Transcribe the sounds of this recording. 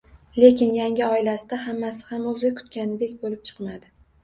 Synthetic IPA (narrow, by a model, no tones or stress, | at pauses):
le̞kʲɪnjaŋʲɪɒɪlasɪd̪ahamːasɪ̥hamɵzakʰʊ̥t̪kʲanɪd̪e̞kʲbolɪp̚t͡ʃʰɨ̥qmad̪ɪ